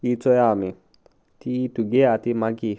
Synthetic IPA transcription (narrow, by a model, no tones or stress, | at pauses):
it͡sɔjami | t̪it̪uɡeat̪imaɡi